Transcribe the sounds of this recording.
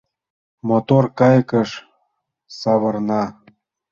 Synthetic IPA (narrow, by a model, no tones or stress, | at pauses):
mot̪orkɑjkəʃ | sɑβɤ̆rnɑ